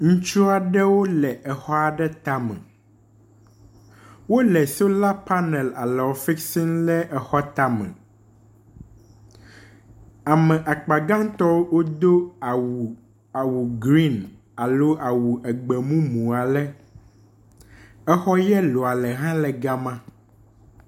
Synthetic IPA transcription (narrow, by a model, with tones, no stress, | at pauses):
ŋũ˦t͡ʃu˦a˨ɖɛ˦wo˦lɛ˨ʔɛ˨xɔ˦a˨ɖɛ˦t̪a˦mɛ̰̃˨ | wo˦lɛ˨so˦la˦pa˦nɛ˨la̰˨lɛ˨wɔ˨fi˦ksi˦nlɛ˦ʔɛ˨xɔ˦t̪a˦mɛ̰̃˨ | a˨mɛ̃˨ʔa˨k͡pa˨ɡã˦ŋt̪ɔ˦wwo˦d̪o˦˨ | a˨wu˨ɡɾi˦n | a˨lo˦ʔa˨wu˨ʔɛ˨ɡ͡bɛ˨mũ˦mũ˨a˨lɛ˦ | ɛ˦xɔ˦jɛ˦lo˨a˨lɛ˨ɦã˦lɛ˨ɡa˦mã˦